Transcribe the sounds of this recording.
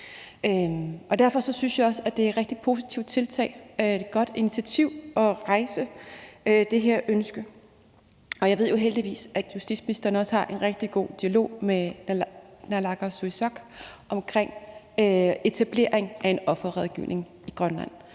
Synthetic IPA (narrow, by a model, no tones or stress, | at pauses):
ʔøʔɒ̽d̥æɐfɒ̽sɒ̽synsjɑ̈ɒ̽səæd̥e̝æʁɛɡ̥̚d̥i̥pʰo̝si̥t͡sʰiʊ̰̥t͡sʰe̝lt͡sʰɛ̰ːɪeɡ̥ɒ̽d̥init͡sʰiæt͡sʰiʊ̰ɒ̽ʁɑ̈ɪsə | d̥e̝ɦeɐ̰ønsɡ̥ə | ɒ̽jɑ̈ɪe̝ð̰ˠjo̝ɦeld̥iʋḭːsæd̥jusd̥ḭd̥sminisd̥ɐnəɒ̽shɑ̈ʔe̝nʁeɡ̥̚d̥iɡ̥o̝̰ːd̥iælo̝̰ːme | nælɑ̈ɡ̥ɐsuisɒ̽ɡ̥ʔɒ̽mkʰʁeŋ̰ | e̝t͡sʰæb̥le̝̰ɐ̰eŋʔæe̝nɒ̽fɐʁɛðˠɡ̥ḭʊ̰nʔe̝ŋ | iɡ̥ʁɶnlæn̰